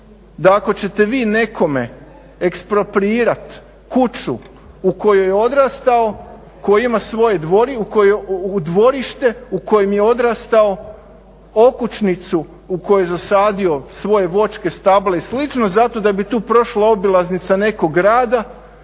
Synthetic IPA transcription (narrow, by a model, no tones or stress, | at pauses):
d̪aako̞t͡ɕe̞t̪e̞ʋiːne̞kʰo̞me̞ | ekspɾo̞pɾiːɾat̪ | kut͡ʃṵ | uko̞jojeo̞d̪ɾast̪ao̞ | kojiimasʋo̞je̞d̪ʋoɾiukojud̪ʋo̞ɾiʃt̪e̞uko̞jemje̞o̞d̪ɾast̪ao̞ | o̞kut͡ʃnit̪su | uko̞jujezasaːd̪io̞sʋo̞je̞ʋo̞t͡ʃke̞st̪ableslit͡ʃno̞zat̪o̞d̪abit̪uːpɾo̞ʃlao̞bilˠaznit̪sane̞koɡɾaːd̪a